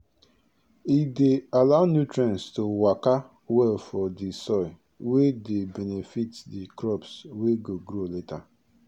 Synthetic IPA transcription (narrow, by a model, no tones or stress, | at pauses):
idealaʊnjutɾɛ̃nstowaka | wɛlfɔdisɔɪ | wedebɛnefitdikɾɔpsweɡoɡɾoleta